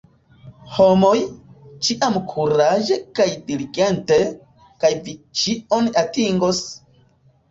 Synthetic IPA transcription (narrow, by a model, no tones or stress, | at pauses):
homo̞jt͡ʃiʔamkʰuɾaʒe̞kajdiliɡe̞nte̞ | kajvit͡ʃio̞natiŋɡos